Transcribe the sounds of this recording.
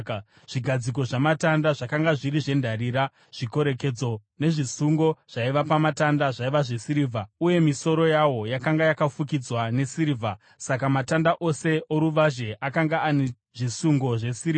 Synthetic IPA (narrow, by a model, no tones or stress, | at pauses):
ʐ̥iɡʱad͡zik̬o̞ʐamatandaʐakaŋɡaʐiɾiʐe̞ndʱariːɾa | ʐ̥iko̞ɾe̞ke̞d͡zo̞ne̞ʐisuŋɡo̞ʐ̥aiʋapamatandaʐaiʋaʐe̞siɾivʱauje̞miso̞ɾo̞jawo̞jakaŋɡajakafukid͡zwane̞siɾivʱa | sakamatandaʔo̞se̞oɾuʋaʒe̞ʔakaŋɡaːne | ʐisuŋɡo̞ʐe̞siria